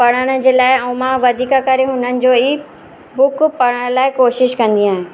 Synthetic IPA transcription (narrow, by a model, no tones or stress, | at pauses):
pɐɽ̃əɽ̃ə̆d͡ʑeːlaːɪɛ̃umãʋɐd̪ʱiːkakɐɾeɦʊnənɪ̆d͡ʑoːi | bʊkpɐɽəɽ̃laːɪkoːʃɪʃkɐ̃nd̪iaːɦɪ̃